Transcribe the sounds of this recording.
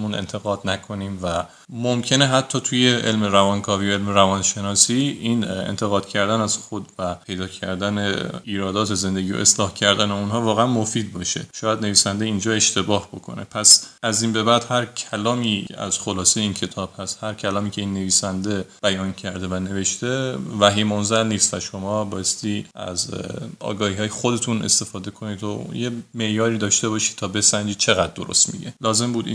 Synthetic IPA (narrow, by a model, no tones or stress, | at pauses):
munḛnt̪ʰe̞ɣɒːd̪̥nækʰo̞niːmvæ | momcʰe̞neɦæt̪ʰːɒːt̪ʰuje̞ʔelmeɾævɒnkʰɒːvijoe̞lmeɾævɒnʃe̞nɒːsiinḛnt̪ʰe̞ɣɒːd̪̥cʰæɾd̪ænæz̥xod̪væpʰe̞jd̪ɒːcʰæɾd̪æneiːɾɒːd̪ɒːt̪ʰeze̞nd̪eɟiːo̰ʔe̞slɒːhcʰæɾd̪æneunɦɒːvɒːɣeænmo̞fiːd̪̚bɒːʃe̞̰ʃɒːjæd̪ne̞viːsænd̪eind͡ʒɒːe̞ʃt̪ʰe̞bɒːhbo̞kʰo̞̰nepʰæsæziːnbe̞bæd̪̥hæɾcʲʰælɒːmiːæ̰z̥xo̞lɒːsejeiːncʰe̞t̪ʰɒːb̥hæst̪hæɾcʰælɒːmiːcʰe̞iːnːe̞viːsænd̪e̞b̥æjɒːncʰæɾd̪e̞væne̞ve̞ʃt̪e̞væɦiːmonzælniːst̪væʃo̞mɒːbɒːje̞st̪iːʔæ̰zɒ̰ːɡɒːhiːhɒːjexod̪e̞t̪ʰune̞̰st̪e̞fɒːd̪e̞kʰo̞niːd̪o̰je̞me̞ʔjɒːɾiːd̪ɒːʃt̪e̞bɒːʃiːd̥̪̚t̪ʰɒːbe̞sæɲd͡ʒiːd̪̚t͡ʃʰe̞ɣæd̪̚d̪o̞ɾo̞̰st̪mḭɟḛlɒːze̞mbuːd̪ḭ